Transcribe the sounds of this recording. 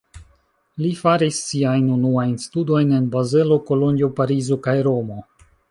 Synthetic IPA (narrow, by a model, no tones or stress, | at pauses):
lifaɾisːiajnunuajnstudo̞jne̞nbaze̞lo̞ko̞lonio̞paɾizo̞kajɾo̞mo̞